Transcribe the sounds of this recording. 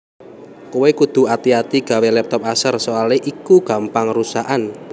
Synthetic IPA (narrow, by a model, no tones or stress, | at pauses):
kowekud̪̥ṳat̪iat̪iɡ̥a̤welɛp̚t̪ɔp̚asərsoaleʔikuɡ̥a̤mpaŋrusaʔan